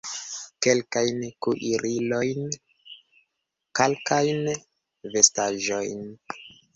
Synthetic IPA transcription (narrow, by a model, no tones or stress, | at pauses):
ke̞lkajnkuʔiɾilo̞jn | kalkajn | ve̞staʒo̞jn